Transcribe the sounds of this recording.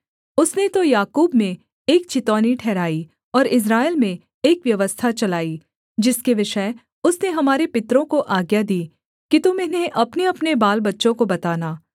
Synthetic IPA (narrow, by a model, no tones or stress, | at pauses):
ʊsnet̪ojaːkuːbmẽ | eːk̚t͡ʃɪt̪ɔːniʈʰɛːɾaːi | ɔːɾɪs̬ɾaːelmẽ | eːkʋjɐʋəst̪ʰat͡ʃɐlaːi | d͡ʒɪskeʋɪʃə | ʊsneɦɐmaːɾepɪt̪ɾõkoʔaːɡjad̪iː | kit̪omeːneʔɐpneɐpnebaːlbɐtːʃõkobɐt̪aːnaː